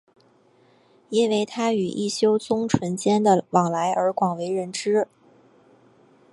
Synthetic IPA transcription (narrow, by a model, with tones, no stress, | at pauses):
i˥nwe˥˩ɪt̪ʰa˥y˨˩ʔḭ˥˩ɕjo˥ʊt͡sʊ˥ŋʈ͡ʂʰwə˧˥nt͡ɕjɛ˥nd̪ə˨wɑ˨˩ŋla˧˥ɪʔə˞˧˥kwɑ˨˩ŋwe˧˥ɪɻə˧˥nʈ͡ʂɻ̩˥